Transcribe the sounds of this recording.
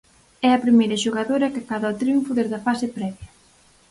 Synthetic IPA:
ɛɐpɾimejɾɐʃoɣaðoɾɐkakaðɐʊt̪ɾiuɱfʊðezðɐfasɪpɾɛβjɐ

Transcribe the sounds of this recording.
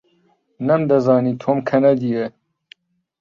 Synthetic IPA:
nɐmd̪ɐzɑːniːt̪ʰoːmkʰɐnɐd̪ije

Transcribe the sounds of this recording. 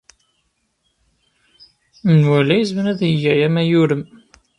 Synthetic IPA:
nwælæjizmənæðəjːæjæmæjuɾəm

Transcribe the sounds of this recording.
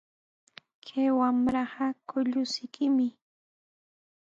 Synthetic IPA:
kʰajwamɾaɢɑkʊʎʊsɪkʰɪmɪ

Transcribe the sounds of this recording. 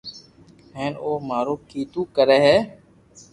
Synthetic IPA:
ɦɛ̃ːnoːmaːɾoːkiːt̪ũːkəɾɛːɦɛː

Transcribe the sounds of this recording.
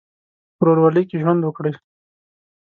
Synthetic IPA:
ɾoɾwalikeʒwand̪wəkɽe

